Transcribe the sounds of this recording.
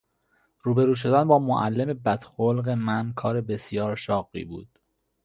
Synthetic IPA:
ɾuːbe̞ɾuːʃ̬o̞d̪ænbɒːmoʔælːemebæd̪̥xolɢemænkʰɒːɾe̞be̞sijɒːɾʃɒːɢḭːbṵːd̪̥

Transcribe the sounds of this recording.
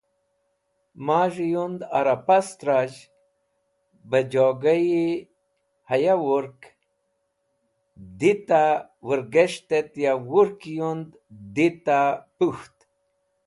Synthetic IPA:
maːʐijund̪a̰ɾapast̪ɾad͡ʑ | bəd͡ʑoɡaji | hajawuɾk | d̪it̪awəɾɡeʂt̪et̪jawuɾkjund̪ | d̪it̪apuxt̪

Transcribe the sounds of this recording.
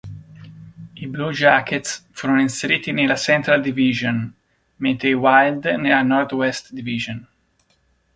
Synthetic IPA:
iblud͡ʒaket̪sfuɾoninseɾiːt̪inelasɛ̃nt̪ɾald̪iviʒõn | mɛnt̪ɾewajld̪nɛlanɔɾt̪wɛst̪d̪iviʒõn

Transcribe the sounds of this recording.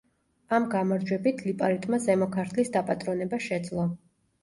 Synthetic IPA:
amɡamaɾd͡ʒwɛbit̪ʰlipʼaɾit̪ʼmazɛmɔkʰaɾt̪ʰlisd̪apʼat̪ʼɾɔnɛbaʃɛd̪zlˠɔ

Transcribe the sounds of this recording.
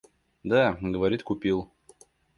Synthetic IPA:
d̪aɡəvɐɾʲit̪kʊpʲilˠ

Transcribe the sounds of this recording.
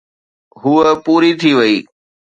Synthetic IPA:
ɦuːəpuːɾit̪ʰiʋɐiː

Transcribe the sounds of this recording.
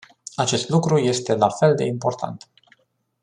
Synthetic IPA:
at͡ʃe̞st̪lukɾuje̞st̪e̞lafe̞ld̪e̞̰impo̞rt̪ʰa̰nt̪

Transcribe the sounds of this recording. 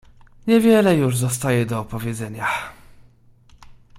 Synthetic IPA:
ɲɛvʲjɛlɛjuʐzɔst̪ajɛd̪ɔːpɔvʲjɛd̪zɛɲa

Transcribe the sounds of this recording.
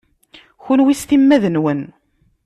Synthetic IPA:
çʊnwist̪imːæðənwən

